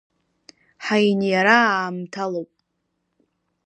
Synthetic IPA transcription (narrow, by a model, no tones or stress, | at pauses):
ħajnjaɾaaːmtʰalowpʼ